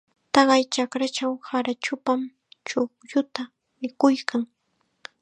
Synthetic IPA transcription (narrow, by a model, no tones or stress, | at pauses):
t̪ɑɢɑjt͡ʃakɾat͡ʃawhaɾat͡ʃʊpam | t͡ʃʊkjʊt̪a | mɪkʊjkaŋ